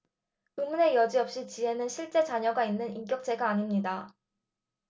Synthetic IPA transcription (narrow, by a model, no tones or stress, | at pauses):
ɯmune̞jʌd͡ʑiʌp̚ɕ͈it͡ɕiɦe̞nɯnɕʰiɭt͡ɕ͈e̞t͡ɕaɲʌɡainːɯnink͈jʌk̚t͡ɕ͈e̞ɡaːɲimɲida